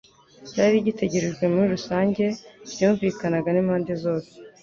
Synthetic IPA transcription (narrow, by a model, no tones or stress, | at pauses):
caːɾiɟite̞ɟe̞ɾe̞ʒɡwe̞muɾiɾusaːɲɟe̞bɟuːɱviːkanaɡanimhaːnde̞zo̞ːse